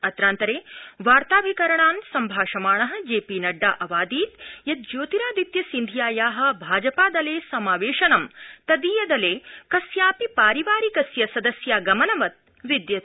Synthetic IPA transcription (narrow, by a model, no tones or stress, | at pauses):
ɐt̪ɾaːnt̪ɐɾeːʋaːɾt̪aːʋʱikɐɾɐɳaːnsɐmbʱaːʃɐmaːɳɐɦɐ̆d͡ʒeːpiːnɐɖːaːʔɐʋaːd̪iːt̪jɐt̪̚d͡ʒoːt̪iɾaːd̪it̪jɐsind̪ʱijaːjaːɦɐ̆bʱaːd͡ʒɐpaːd̪ɐleːsɐmaːʋeːʃɐnɐmt̪ɐd̪iːjɐd̪ɐleːkɐsjaːpipaːɾiʋaːɾikɐsjɐsɐd̪ɐsjaːɡɐmɐnɐʋɐt̪̚ | ʋid̪jɐt̪